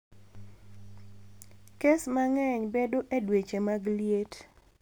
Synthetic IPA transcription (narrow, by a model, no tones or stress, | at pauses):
kesmaŋɛɲbedoʔedwet͡ʃemaɡljet